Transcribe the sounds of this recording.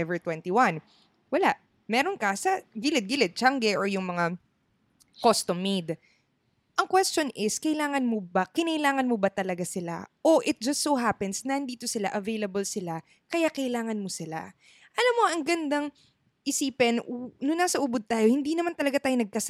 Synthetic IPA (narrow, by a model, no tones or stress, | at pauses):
ɛvɛɹt̪wɛnt̪iwɐn | wɐlaʔ | mɛːɾonkɐsɐɡilɪt̪̚ɡilɪt̪̚t͡ʃaŋɡɛʔoɹjʊŋmɐŋa | kost̪omːejd̪ | ʔɐŋkwɛstt͡ʃo̞nʔɪskɐʔɪlaːŋɐnmobakɪnɐʔɪlaːŋɐnmobɐt̪ɐlɐɡasɪla̰ʔo̞ʔɪt̪̚d͡ʒɐst̪soɦapɛnsnɐhɪnd̪iːt̪o̞sɪlaʔɐvejlɐbolsɪla | kɐjaːkɐɪlaːŋɐnmosɪla̰ | ʔɐlamːo̞ʔɐŋɡɐnd̪aŋ | ʔɪsiːpɛnnʊnːaːsɐʔʊbod̪̚t̪aːjohɪnd̪iːnɐmant̪ɐlɐɡat̪aːjonɐɡ̚kɐs